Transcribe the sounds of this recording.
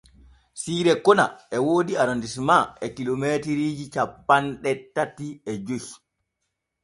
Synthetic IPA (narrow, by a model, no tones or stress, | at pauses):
siːɾɛkɔna̰ɛwoːdiaɾondismaɛkilomeːtiɾiːd͡ʒit͡ʃapːanɗɛtːatiɛd͡ʒoj